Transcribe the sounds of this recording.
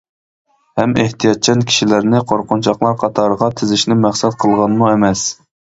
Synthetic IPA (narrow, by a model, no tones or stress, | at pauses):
hɛmeht̪ʰijɑt̪̚t͡ʃʰɛnkʲʰi̥ʃilæɾnɪqʰoɾqʊnt͡ʃʰɑχlˠɑɾqʰɑt̪ʰɑɾəʁɑt̪ʰɪzɪʃnɪmæχsɛt̪̚qʰəlˠʁɑnmuemɛs